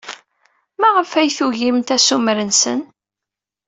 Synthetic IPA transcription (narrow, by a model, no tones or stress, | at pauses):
mæʁəfæjθuʝimt̪æsumɾənsə̰n